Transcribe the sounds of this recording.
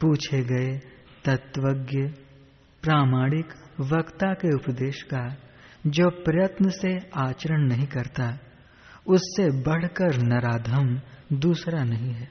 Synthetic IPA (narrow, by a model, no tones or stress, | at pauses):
puːt͡ʃʰeɡɐe | t̪ɐt̪ʋəɡjə | pɾaːmaːɽɪkʋɐkt̪akeʊpd̪eːʃkad͡ʒoːpɾɐjət̪nəseaːt͡ʃəɾəɽ̃nɐɦĩkɐɾt̪a | ʊsːebɐɽ̤kəɾnɐɾaːd̪ʱəmnd̪uːsɾanɐɦĩɦɛː